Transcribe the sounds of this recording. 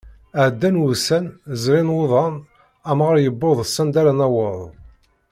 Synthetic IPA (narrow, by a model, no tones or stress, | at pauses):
əʕd̪ːænwusænzɾinwʊðˤɑn | æmʁəɾjəbːoðˤsːænd̪aɾanæwəðˤ